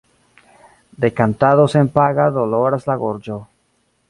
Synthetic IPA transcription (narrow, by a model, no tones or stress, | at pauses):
d̪ekant̪aðosempaɣaðoloɾaslaɣoɾd͡ʒo